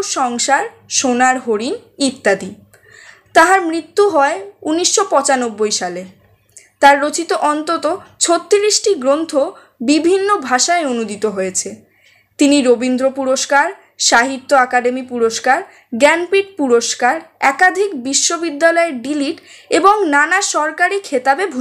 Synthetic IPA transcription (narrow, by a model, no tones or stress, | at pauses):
ʃɔŋʃaɾ | ʃonaɾɦoɾinit̪ːad̪i | t̪aɦaɾmɾit̪ːuɦɔeuniʃːopɔt͡ɕanobːojʃale | t̪aɾːot͡ɕit̪oʔɔnt̪ot̪ot͡ɕʰot̪ːiɾiʃʈiɡɾont̪ʰo | bibʱinːobʱaʃaeonud̪it̪oɦojet͡ɕʰe | t̪iniɾobind̪ɾopuɾoʃkaɾ | ʃaɦit̪ːoakaɖemipuɾoʃkaɾ | ɡɛnpiʈ̚puɾoʃkaɾɛkad̪ʱikbiʃːobid̪ːalɔeɖiliʈeboŋnanaʃɔɾkaɾikʰet̪abebʱu